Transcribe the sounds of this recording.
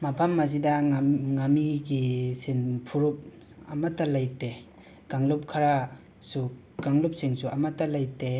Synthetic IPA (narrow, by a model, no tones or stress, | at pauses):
mapʰamːaz̬idaŋamiɡisinpʰuɾup̚ | amatːalajte | ɡ̥aŋlup̚kʰaɾa | su | ɡaŋlup̚siŋsuamatːalajte